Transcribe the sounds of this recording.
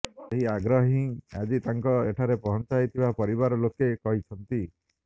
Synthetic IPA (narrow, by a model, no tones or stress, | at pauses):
eɦiaɡɾɔɦĩa̰d͡ʒit̪aŋkɔeʈʰaɾepɔɦɔnt͡ʃajt̪ʰibapɔɾibaɾɔlokekɔɦit͡ʃʰɔnt̪i